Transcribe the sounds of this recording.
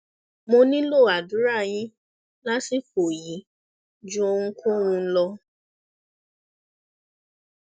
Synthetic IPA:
mõ˧nĩ˦lo˦˨a˨du˨˦ɾa˦˨j̃ĩ˧˦ | la˦si˦fo˨ji˨˦ | d͡ʒũ˦o˧ũ˧kʰũ˦w̃ũ˧˦lɔ˧

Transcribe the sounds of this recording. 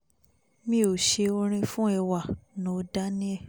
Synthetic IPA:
mĩ˦o˨ʃe˧o˧ɾ̃ĩ˧fũ˦ɛ˧˨wa˨nõ˨˧˦da˦nĩ˦ɛ˦˨

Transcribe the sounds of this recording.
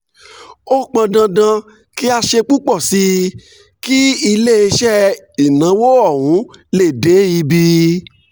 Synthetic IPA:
o˦k͡pã˧dã˧dã˧ | ki˦a˧ʃe˧k͡pu˦k͡pɔ˦˨si˦ | ki˦i˧le˦i˧ʃɛ˦ | i˨nã˨˦wo˦ɔ˦˨wũ˨˦le˦˨de˨˦i˧bi˧

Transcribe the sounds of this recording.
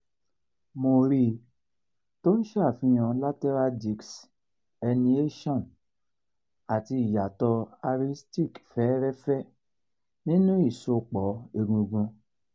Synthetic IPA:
mo˧ɾi˧ | to˦ñ̩˦ʃfĩ˧˦j̃ã˧la˦tɛ˦ɾa˦di˧ks | ɛ˧nĩ˧˦e˦ʃɔ̃˦˨n | a˨ti˧i˨ja˨tɔ˧a˧ɾi˧sti˦˨kfɛ˨˦ɾɛ˦fɛ˦ | nĩ˦nũ˦i˦˨so˧˨k͡pɔ˨˦e˧ɡũ˧ɡũ˧

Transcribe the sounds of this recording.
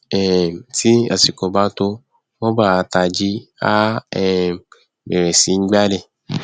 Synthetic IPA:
ɛ˨ti˦a̰˨si˨ko˨ba˧to˧ | wo˦ba˦˨ta˨d͡ʒi˦a˦ɛ˨ | bɛ˨ɾɛ˨si˨˦ɡ͡ba˦le˦

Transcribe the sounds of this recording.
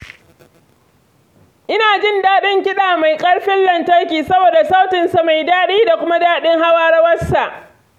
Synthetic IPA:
ʔɪ˦naː˨d͡ʒɪ˦ndaː˦ɗɪ˦ŋkʲɪ˦ɗaː˨ma˨jkʼɐ˦ɽɸɪ˦llɐ˨ntɐ˦rkʲiː˨sɐ˦boː˨da˨sa˦wtɪ˨nsa˨ma˨jdaː˦ɗiː˦da˨kʷʊ˦ma˦daː˦ɗɪ˦ŋha˦waː˦ɽɐ˦wɐ˦sa˨ʔ

